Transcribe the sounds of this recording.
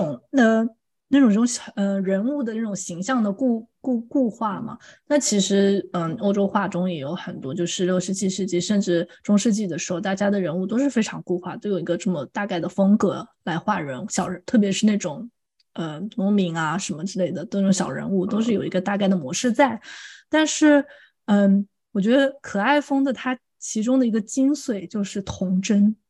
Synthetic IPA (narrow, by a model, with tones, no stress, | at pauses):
ʊ˨˩ŋnə˥˧ | na˥˩ʈ͡ʂʊ˨˩ŋʈ͡ʂʊ˧˥ŋə˧˩ɻə˧˥nu˥˩d̪ə˩na˥˩ʈ͡ʂʊ˨˩ŋɕi˧˥ŋɕjɑ˥˩ŋd̪ə˩ku˥˧ku˥˧ku˥˧xwa˥˩mɐ̰˩na˥˩t͡ɕʰi˧˥ʂɻ̩˧˥ə˧˩o˥ʊʈ͡ʂo˥ʊxwa˥˩ʈ͡ʂʊ˥ŋjɛ˨˩jo˧˥ʊxə˨˩nt̪wɔ˥t͡ɕjo˥˧ʊʂɻ̩˥˧ljʂɻ̩˥˧t͡ɕi˥˧ʂɻ̩˥˧t͡ɕi˥˩ʂə˥˧nʈ͡ʂɻ̩˥˩ʈ͡ʂʊ˥ŋʂɻ̩˥˧t͡ɕi˥˩d̪ə˩ʂɻ̩˧˥xo˧ʊt̪a˥˩t͡ɕja˥d̪ə˨ɻə˧˥nu˥˩t̪̬o˥ʊʂɻ̩˥˩fe˥ɪʈ͡ʂʰɑ˧˥ŋku˥˧xwa˥˩t̪o˥ʊjo˨˩ʊi˧˥ɡə˧ʈ͡ʂɤ˥˩mə˩t̪a˥˧ka˥˩ɪd̪ə˩fɤ˥ŋkɤ˧˥la˧˥ɪxwa˥˩ɻə˧˥nu˥˩ɕjɑ˨˩ʊɻə˧˥t̪ʰɤ˥˩p̬jɛ˧˥ʂɻ̩˥˧na˥˩ɪʈ͡ʂʊ˨˩˦ŋ | ə˧nʊ˧˥mi˧˥ŋa˧ʂə˧˥nmə˧ʈ͡ʂɻ̩˥˧le˥˩ɪd̪ə˩t̪a˥˩ʈ͡ʂʊ˧˥ŋɕjɑ˨˩ʊɻə̰˧˥nu˥˩t̪o˥ʊʂ̬ɻ̩˥˩jo˨˩i˧˥ɡə˧t̪a˥˧ka˥˩ɪd̪ə˩mwɔ˧˥ʂɻ̩˥˧t͡sa˥˩ɪt̪a˥˧nʂɻ̩˥˩ | ə˥˩ | wɔ˨˩t͡ɕɥɛ˧˥d̪ə˧kʰɤ˨˩a˥˩ɪfɤ˥ŋd̪ə˨t̪ʰa˥ | t͡ɕʰi˧˥ʈ͡ʂʊ˥ŋd̪ə˨i˧˥ɡə˧t͡ɕi˥nswe˨˩ɪt͡ɕjo˥˧ʊʂɻ̩˥˩t̪ʰʊ˧˥ŋʈ͡ʂə˥n